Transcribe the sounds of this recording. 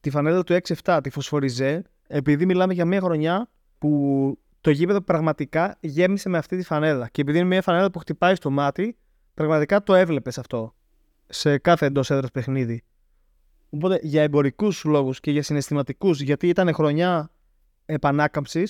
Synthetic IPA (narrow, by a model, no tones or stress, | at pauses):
t̪ifɐne̞ðɐt̪ue̞ksieft̪ɐt̪ifo̞sfo̞ɾize̞ | epiðimilɐmeʝɐmiɐxɾo̞ɲɐ | pu | t̪o̞ʝipe̞ðo̞pɾɐɣmɐt̪ikɐʝe̞mise̞me̞ɐft̪it̪ifɐne̞ðɐce̞piðinemɲɐfɐne̞ðɐpuxt̪ipɐist̪o̞mɐt̪i | pɾɐɣmɐt̪ikɐt̪o̞e̞vle̞pe̞sɐft̪o̞ | se̞kɐθe̞ːnd̪o̞se̞ðɾospe̞xniði | opo̞t̪e̞ʝɐebo̞ɾikuslo̞ɣusce̞ʝɐsine̞st̪imɐt̪ikusʝɐt̪iit̪ɐne̞xɾo̞ɲɐ | e̞pɐnɐkɐmpsis